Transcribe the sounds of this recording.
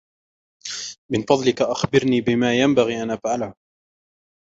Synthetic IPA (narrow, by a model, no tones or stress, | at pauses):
mɪnfɑd̪ˤlɪkaʔaxbɪɾniːbɪmaːjambaɣiːʔanʔafʕalah